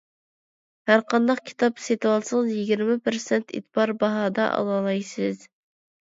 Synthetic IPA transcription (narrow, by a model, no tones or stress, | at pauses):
hæɾqɑnd̪ɑqkʲʰi̥t̪ɑpset̪ɨwɑlˠsəzjiɡʲiɾmɪpʰɨɾsɛnt̪ʰḭt̪bɑɾbɑɦɑːd̪ɑ̰ʔɑ̰lˠɑlˠɑjsɨz